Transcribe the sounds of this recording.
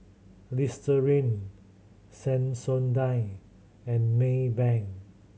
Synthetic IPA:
listəɹĩn | sɛ̃nsõndaj | ɛ̃nmebɛ̃ŋ

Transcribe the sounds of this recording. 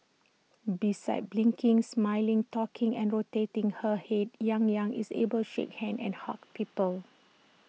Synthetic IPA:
bisa̰ɪt̚blĩŋkĩŋsmaɪlĩŋtɔkʰĩŋɛ̃nɹotetĩŋhəhet̚jãŋjãŋḭsḛbəltuʃḛkhɛ̃ndɛ̰̃nha̰k̚pipəl

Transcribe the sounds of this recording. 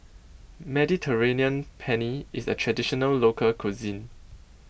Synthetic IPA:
mɛditʰəɹeniə̃npʰɛniisə̰tʰɹɛdiʃɔnəlːokʰəlkʰuzĩn

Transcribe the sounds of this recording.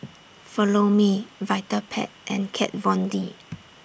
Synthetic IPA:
fɔlomivaɪtəpʰɛ̰t̚ʔɛ̃nkʰɛ̰t̚vɔ̃ndi

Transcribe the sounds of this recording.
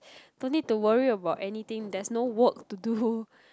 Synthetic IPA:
d̥õnːid̚tuwəɹiəbaʊtɛnit̪ɪ̃ŋdɛsnowək̚tudu

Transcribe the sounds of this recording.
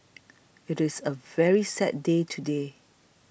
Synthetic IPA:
ɪɾɪsəvɛɹisɛ̰t̚detʰude

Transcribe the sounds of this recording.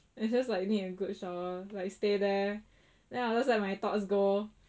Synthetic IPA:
ɪsd͡ʒʌslaɪk̚niəɡʊd̚ʃɔlaɪkstedɛ | dɛ̃ad͡ʒɛslɛt̚majt̪ɔts̬ɡo

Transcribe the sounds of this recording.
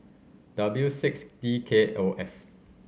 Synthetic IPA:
d̥abljusɪksdikʰeʔoʔɛf

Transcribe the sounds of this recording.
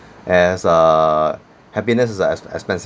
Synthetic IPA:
ʔɛ̃sə | hɛpinəs̬ɪsɛsɛ̰kspɛ̃ns

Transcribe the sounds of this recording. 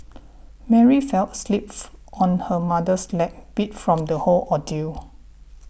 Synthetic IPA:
mɛɹifɛlt̚slip̚ʔɔ̃nhəmadəslɛk̚b̥it̚fɹɔ̃mdəholɔdil

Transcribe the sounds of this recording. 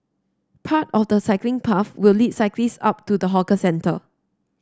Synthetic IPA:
pʰatɔfdəsaɪklɪ̃ŋpʰafwɪllid̚saɪklisa̰p̚tudəɦɔkəsɛ̃ntʰə̰

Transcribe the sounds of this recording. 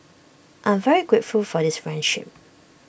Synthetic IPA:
ʔãɪ̃ɱvɛɹikwɪtfulfɔdɪsfɹɛ̃nʃɪ̰p̚

